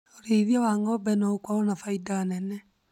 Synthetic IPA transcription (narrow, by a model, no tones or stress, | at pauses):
oɾeðjɔwaŋɡɔbɛnɔukwawɔnafaidanɛnɛ